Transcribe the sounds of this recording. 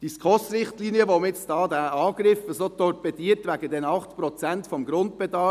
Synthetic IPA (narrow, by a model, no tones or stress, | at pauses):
d̥iskʰɔsɾɪχtliːniəʋomɪt͡sd̥ɑːd̪æɑːɡ̥ɾɪfəsot̪ɔrpɛtiːəɾtʋæɡ̥əd̪ɛnɑχt̪pɾɔt͡sæntfɔmɡɾʊnt̪̚b̥ɛd̪ɑ